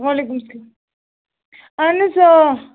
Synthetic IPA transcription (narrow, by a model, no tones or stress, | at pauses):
ʋaleːkumsɐlaːm | ɐnːɐsa